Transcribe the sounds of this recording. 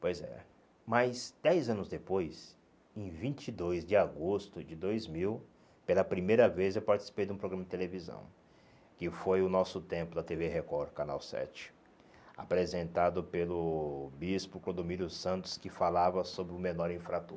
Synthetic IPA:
pojzɛ̰ | majzd̪̥ɛjzɐ̃nʊzd̪epojs | ẽj̃vĩt͡ʃid̪ojzd͡ʒɪaɡost̪ʊd͡ʒɪd̪ojzmiw | pelɐpɾimejɾɐvezewpaɾt͡ʃi̥si̥pejd̪ɪũpɾoɡɾɐmɐd͡ʒɪt̪elevizɐ̰̃w̃ | kɪfojʊnɔsʊt̪ẽmpʊd̪ɐt̪evehekɔɾkana̰wsɛ̰t͡ʃɪ̥ | a̰pɾezẽnt̪ad̪ʊpelʊbispʊklõd̪omiljʊsɐ̃nt̪ʊ̥skɪfalavɐsobɾɪʊmenɔɾĩfɾat̪o

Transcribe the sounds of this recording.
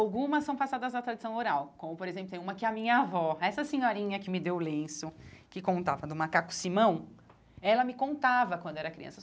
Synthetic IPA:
awɡũmɐsːɐ̃w̃pasad̪ɐzɐt̪ɾad͡ʒisɐ̃w̃oɾawkõmʊpoɾezẽp̬lʊt̪ẽũmɐkɪɛɐmĩɲɐavɔɛsɐsẽɲɔɾĩɲɐkɪmɪd̪ewlẽsʊkɪkõnt̪avɐd̪ũmakaku̥simɐ̃w̃ | ɛlɐmɪkõnt̪avɐkwɐ̃nd̪ʊɛɾɐkɾiɐ̰̃sɐ

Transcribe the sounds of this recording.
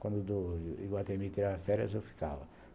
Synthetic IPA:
kwɐ̃nd̪ʊd̪ʊḭɡwat̪emit̪iɾavɐfɛɾjɐzewfi̥ka̰vɐ

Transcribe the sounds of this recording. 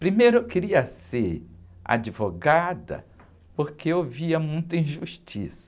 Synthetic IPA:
pɾimejɾʊekeɾiɐseɾa̰d͡ʒivoɡad̪ɐ̰ | poɾkʰeowviɐmũj̃t̪ɐĩʒuʃt͡ʃḭsɐ̥

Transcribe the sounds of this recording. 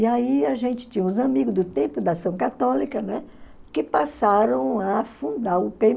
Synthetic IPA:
iaiaʒẽnt͡ʃɪ̥t͡ʃĩɲɐũzɐmiɡʊzd̪ʊt̪ẽmpʊd̪asɐ̃w̃kat̪ɔlikɐnɛkɪpasaɾɐ̃w̃afũd̪aɾʊpe

